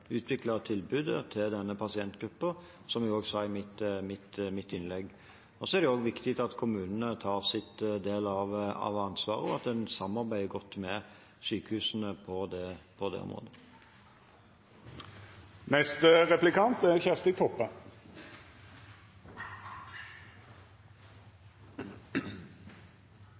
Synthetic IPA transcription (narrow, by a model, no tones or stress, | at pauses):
ʉːt̪ʰʋɪklɑt̪ʰɪlbʉːd̪ət̪ʰɪld̪ɛnːəpʰɑsɪɛnt̪ɡɾʉpːə | sɔmjʊɡoːɡsɑɪmɪt̪mɪt̪mɪt̪ːɪnlɛɡː | ɔsɔɛæɾd̪ɛoːɡʋɪkt̪ɪt̪ɑt̪kʰʊmʉːnənət̪ʰɑːʁsɪt̪d̪eːlɑʋɑ̰ʋɑnsʋɑːʁəɔɑt̪̚d̪ɛnsɑmːɑɾbæɪəɡɔt̪ːmɛ | syːkəhʉːsən̩əpʰɔd̪ɛpʰɔd̪ɛ̰ɔ̰mʁo̰ːd̪ə | nɛst̪ʁɛplɪkɑnt̪ɛçæʁst̪ɪt̪ʰɔpːə